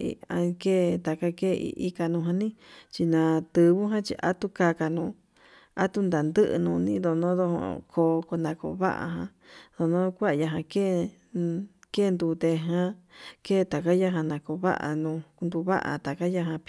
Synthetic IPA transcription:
ḭ˧a̰˧ke˦˨t̪a˨ka˦ke˦˧ḭ˧ʔi˧ka˧nũ˧ɦa˧nĩ˦t͡ʃi˧nã˧t̪ɨ˧βu˦ɦã˦t͡ʃḭ˧ʔa̰˦t̪u˦ka˧ka˧nũː˧˨ | a˦t̪u˦nd̪a˨nd̪ɨ˦ʔnũ˧nĩ˦d̪o˧nõ˦ðo˧hõ̰˧kʰo˧˨ko˧nã˧ko̰˧βa̰˦ʔa̰˧ɦã˧ | ðo˨nõ˦˧kʷa˦ʔja˧ɦã˧ke˦˧ | ke˦˧nd̪u˧t̪e˧ɦã˦ke˦˧t̪a˨ka˦ja˦ɦã˧nã˨˧ko˧βa̰˦ʔa̰˧nũ˧nd̪u˧βa̰˦ʔa̰˨t̪a˨ka˦ja˧ɦã˧p

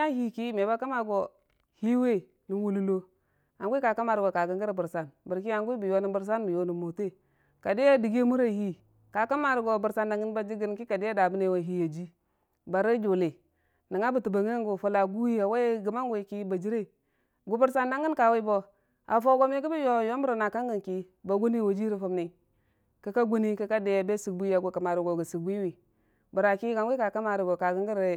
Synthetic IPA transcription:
a˦hi˨ki˦me˨ba˦ka˦ma˨ɡo˨ | hi˦we˦ | ni˨wu˦lu˦lo˦ | a˨ŋɡʷka˨ka˦ma˨ɾɡo˨ka˨ɡə˦ɡə˦ɾbə˨ɾsa˨nbi˨ɾki˦a˦ŋɡu˦i˦bi˨jo˦ni˦bə˦ɾs̬a˦nbi˨jo˨ni˨mo˨te˦ | ka˨di˦ja˦di˨ɡe˦mu˦ɾa˨hi˦ | ka˨ka˦ma˨ɾɡo˨bu˨ɾsa˦nːa˨ŋɡə˦nba˦d͡ʒi˦ɡi˨n˨ki˦ka˨di˦ja˦da˨bi˦ne˨wa˨ɦi˦ja˨d͡ʒi˦ | ba˨ɾa˦d͡ʒo˨le˨ | na˨ŋa˦bu˨tu˨ba˨ŋe˦ɡu˨fu˨la˨ɡu˦ji˦ja˨we˦ɡə˨ma˦ŋɡe˨ki˦ba˨d͡ʒi˦ɾe˦ | ɡu˨bu˦ɾsa˦nda˦ŋɡə˦nka˨we˦bo˨ | a˨fo˦ɡo˦m˦e˦ki˦bi˦jo˦˨jo˦m˦u˦ɾo˨na˨ka˦ŋɡə˨nki˦ | ba˨ɡʷu˦ni˦wa˨d͡ʒi˦ɾi˨fo˨mni˨ | ka˦ka˦ɡu˦ni˦ka˦ka˦de˦ja˨be˦si˨k̚bu˦a˨ɡu˨ka˨ma˨ɾu˨ɡo˨ɡa˨si˨k̚bu˦wi˨ | ba˨ɾa˨ki˦ɡa˨ŋɡi˦ka˨ka˦ma˨ɾi˨bo˨ka˨ɡə˦ŋɡi˦ɾ

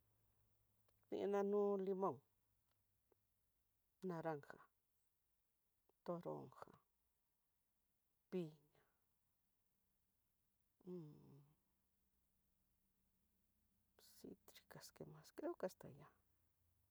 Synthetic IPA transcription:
nḭ̃˧ʔnã˧nũː˦li˧mõ˧˨ŋ | nã˧ɾa˧ŋxa˨ | t̪o˧ɾo̰˨˧ŋxa̰˨ | pi˧ɲa˧˨ | sḭ˧t̪ɾi˧ka˨ske˨mã˧skɾe˦o˦ke˧a˧st̪a̰˨ja˧

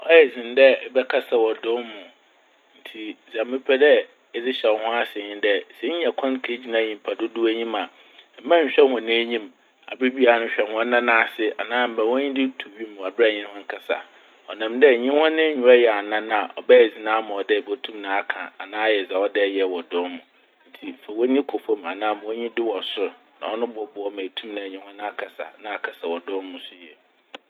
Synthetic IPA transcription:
ɔ̰˦jɛ˨zɪ̃˨n˦dɛ˦ɛ˦bɛ˦kʰa˦sa˨wɔ˨dʊ˦mʊ̃˨ | n̩˨tʰi˨za˨m̩˦mɪ̃˦pʰɛ˦dɛ˦ | ɛ˨dɪ˦ɕɛ˨wɔ˨˦hʊ̃˦a˦sɪ˨ɲɪ̃˦dɛ˦sɛ˦ɲ̩˦ɛ˨kʰɔ̃˦nkʰe˨˦d͡ʑi˦nã˨˦˨ɲĩ˨m˨pʰa˨dʊ˦du˦æ˦ɲĩ˦ma˨ | m̩˦ã˦˨ɕᶣɛ˦nwɔ̃˨nɛ̃˦ɲĩ˦m | a̰˨be˦bi˦a˨˦nʊ̃˦ɕᶣɛ˨nhɔ̃˦nã˦nã˦˨sɪ˦a̰˨nãː˦m̩˨bɛ̃˨wɔ̃˦ɲĩ˦dɪ˦tʰu˨ɥi˦mʊ̃˨a˨bɛ˦˨ɲɪ̃˦hɔ̃˦ŋ˦kʰa˨sa̰˨ | ɔ˨nã˨mdɛ˦˨ɲɪ̃˦hɔ̃˦nɪ̃˦ɲᶣũ˨ɛ˦jɛ˨a˨nã˦nã˦˨ʔɔ̰˨bɛ˦˨zi˨nãː˦mã˨ɔ˨dɛ˦˨bo˦tʰũ˦mnã˨a˦kʰã̰˨a˨nãː˦jɛ˨sɛ˨ɔ˦dɛ˦jɛ˨wɔ˨dʊ̃˦nmũ˨ | n̩˦tʰi˨fɛ˨wɔ˦nĩ˦kʰo˨fo˦ma˨nãː˦mã˨wɔ˦ɲĩ˦dɪ˦wɔ˨sʊ˦ɾ | nã˨wɔ˦nʊ̃˦bɔ˦bʊ˨ɔ˦mæ̃˨tʰũ˦mnã˨ɲĩ˦hɔ̃˦ñ˦a˦kʰa˨sa̰˨nã˦a˨kʰa˨sa˨wɔ˨dʊ̃˦mʊ̃˦sʊ˦jɛ˨

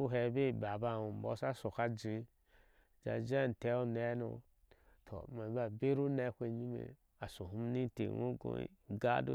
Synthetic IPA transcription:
u˦ɦɛ˨be˦˨ba˨ba˦˨wu˨m˨bɔ̰˦sa˦so˨ka˦d͡ʒi˨˦ | d͡ʒa̰˨d͡ʒe˦n˨tɛ˦o˦nɛ˦no̰˨ | tʰo̰˨ma˨˦ba˨be˦ɾu˦nɛ˦kʷe˨ɲi˦mḛ˨ | a˨su˨ɦu˦m˦ni˦tḛ˨wo̰˦ɡõ̰˦ɡa̰˦do̰˦

